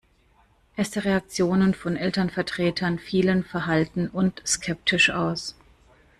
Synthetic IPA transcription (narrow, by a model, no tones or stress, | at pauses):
ʔɛɐstəʁeak̚t͡sjoːnənfɔnʔɛltɐnfɛɐtʁ̥eːtʰɐnfiːlənfɛɐɦaltn̩ʊntskʰɛp̚tʰɪʃʔaʊs